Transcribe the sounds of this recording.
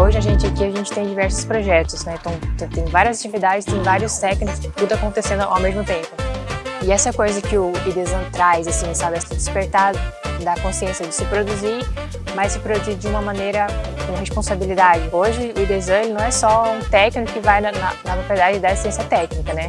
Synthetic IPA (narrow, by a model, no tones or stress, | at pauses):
oʒɪaʒẽnt͡ʃɪakiaʒẽnt͡ʃɪ̥t̪ẽj̃d͡ʒivɛɾsʊ̥spɾoʒɛt̪ʊsnɛẽt̪ɐ̃w̃t̪ẽt̪ẽj̃vaɾiɐzat͡ʃivid̪ad͡ʒɪst̪ẽj̃vaɾiʊst̪ɛknɪkʊskɪt̪ud̪ʊakõnt̪esẽnd̪ʊa̰wmezmʊt̪ẽmpʊɪɛsɐkojzɐkɪʊid̪ezɐ̃t̪ɾajzasĩsabɪɛsɪd͡ʒɪspeɾt̪ad̪akõsiẽsijɐd͡ʒɪsɪpɾod̪uziɾ | mɐjssɪpɾod̪uziɾd͡ʒɪũmɐmɐ̃nejɾɐkõɐhespõsabilid̪ad͡ʒɪoʒɪʊid̪ezɐ̃lnɐ̃w̃ɛsɔũt̪ɛknɪkʊkɪvajnɐnɐnɐpɾopeɾd̪ad͡ʒɪd͡ʒɪd̪aesst̪ẽsiɐt̪ɛknikɐnɛ